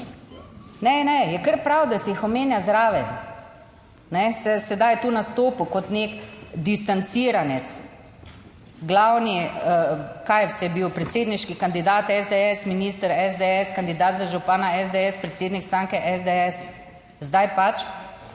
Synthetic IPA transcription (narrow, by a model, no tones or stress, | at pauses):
nɛnɛjɛkəɾpɾawd̪asɛixɔmeːnjazɾaːʋɛ | nɛsɛsɛd̪ajt̪uːnast̪oːpukɔt̪nekd̪ist̪ant̪siːɾanɛt̪s | ɡlawni | kajfsjɛbiwpɾɛt̪seːd̪niʃkikand̪id̪aːt̪ɛzd̪eɛsminiːst̪əɾɛzd̪eɛskand̪id̪aːt̪zaʒupaːnaɛzd̪eɛspɾet̪seːd̪nikst̪ɾaːŋkɛʔɛzd̪eɛs | zd̪ajpat͡ʃ